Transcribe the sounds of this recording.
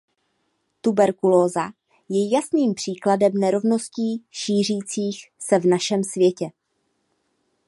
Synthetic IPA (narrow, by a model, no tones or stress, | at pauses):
t̪ubɛɾkuloːza | jɛjasniːmpr̥iːkladɛmnɛɾo̞vno̞sciːʃiːr̝iːt͡siːxsɛvnaʃɛmsvjɛcɛ